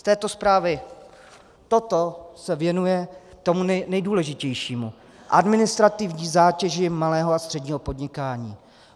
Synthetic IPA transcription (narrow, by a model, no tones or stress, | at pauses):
st̪ɛːt̪o̞spɾaːvɪ | t̪o̞t̪o̞sɛvjɛnujɛt̪omunɛjduːlɛʒɪcɛjʃiːmu | ʔadmɪnɪst̪ɾat̪ɪvɲiːzaːcɛʒɪmalɛːɦoast̪r̥ɛdɲiːɦo̞po̞dɲɪkaːɲiː